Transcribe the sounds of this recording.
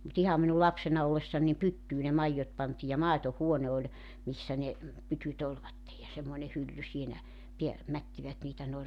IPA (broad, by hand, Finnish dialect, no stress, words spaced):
mut ihɑm minu lɑpsenɑ olːesːɑn nim pytːyː ne mɑijːot pɑntiː jɑ mɑˑetohuone olʲ misːæ ne pytyt olʋɑtːej jɑ semːoĭne hylːy siːnæ piæ mætːiʋæt niːtæ noi̞r